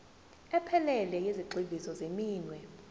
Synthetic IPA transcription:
ɛpʰɛlɛlɛjeziǃʱibʱisɔzemiːnwɛ

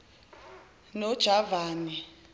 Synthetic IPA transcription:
nɔd̥ʒ̥ʱavaːni

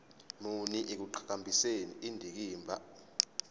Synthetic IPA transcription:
muniʔik̬uǃʰḁk̬ambʱisenḭʔindʱik̬iːmbʱa

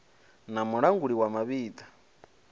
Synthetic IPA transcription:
namuɺaŋɡuɺiwamaβiːd̪ḁ

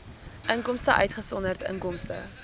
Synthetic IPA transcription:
ʔəŋkɔmstəʔœ̰ɥtχəsɔnərtə̰ŋkɔmstə̰

